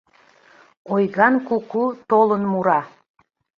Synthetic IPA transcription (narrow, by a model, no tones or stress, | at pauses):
ojɣɑnkukut̪olənmuɾɑ